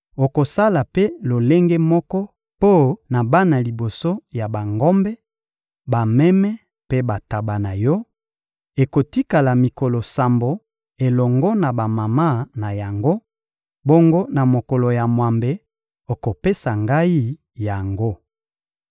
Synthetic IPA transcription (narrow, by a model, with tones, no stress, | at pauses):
o˨ko˨sa˦la˨pe˦lo˨le˦ŋɡe˦mɔ˦kɔ˦ | po˦na˨ba˦na˨li˨bo˨so˦ja˨ba˨ŋɡɔ˦mbɛ˦ | ba˨mɛ˦mɛ˦ | pe˦ba˨ta˨ba˨na˨jɔ˦ | e˨ko˨ti˦ka˨la˨mi˨kɔ˨lɔ˨sa˨mbo˨ | e˨lɔ˨ŋɡɔ˦na˨ba˨ma˨ma˦˨na˨ja˨ŋɡo˦ | bo˦ŋɡo˦na˨mo˨kɔ˨lɔ˨ja˨mwa˨mbe˨ | o˨ko˨pe˦sa˨ŋɡa˦i˦ | ja˨ŋɡo˦